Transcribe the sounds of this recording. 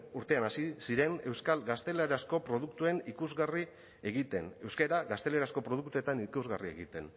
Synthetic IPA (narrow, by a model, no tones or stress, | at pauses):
uɾt̪e̞anasisiɾe̞ŋe̞wskalɡast̪e̞leɾasko̞pɾo̞ðukt̪ue̞nikuzɣari | eɣit̪e̞ne̞wskeɾaɣast̪e̞leɾasko̞pɾo̞ðuk̚t̪ue̞t̪anikuzɣarie̞̰ɣit̪e̞n